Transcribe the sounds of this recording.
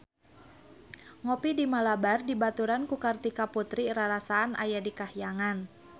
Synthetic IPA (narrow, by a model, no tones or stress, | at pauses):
ŋɔpidimalabardibat̪uɾankukart̪ikaput̪ɾiɾaɾasaːna̰jadikahijaŋan